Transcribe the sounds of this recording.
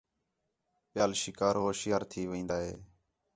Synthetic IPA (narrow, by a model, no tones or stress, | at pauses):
pɪjaːlʃɪkaːɾɦoːʃɪjaːɾt̪ʰiːʋĩːnd̪aːɦḛː